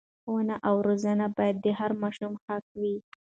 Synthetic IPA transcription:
wanaʔawɾozanabɑjad̪̚ːəhaɾmɑʃumxak̚wi

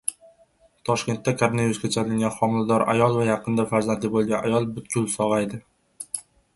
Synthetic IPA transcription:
t̪ʰɒʃkʲe̞nt̪ːakʰoɾonaviɾuskʲat͡ʃʰalɪŋɡʲanχɒmɪld̪ɒɾa̰jɒlˠvajɑqʰɨnd̪afaɾzand̪lɪbolˠɡʲanajɒlˠbʊt̪kʰʲʊlˠsɒʁajd̪ɪ

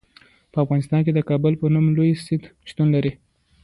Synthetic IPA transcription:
pəafɣɑnɪst̪ɑnk̬ed̪əkɑbʊlpənumlojsɪd̪ʃt̪unlaɾi

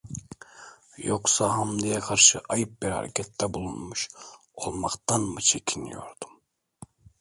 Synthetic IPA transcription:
joksaɦamd̪ijɛkʰaɾʃɯʔajɯp̚biɾha̰ɾɛ̰cʲʰɛt̪ːɛbulˠunmuʃ | olˠmaqt̪ʰanmɯt͡ʃʰecʲʰinḭjo̞̰ɾd̪̥um

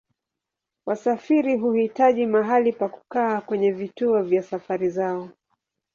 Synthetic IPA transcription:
wasafiɾiɦuhitaʄimaɦalipaku̥kaːkwɛɲɛvituɔvjasafaɾizaɔ

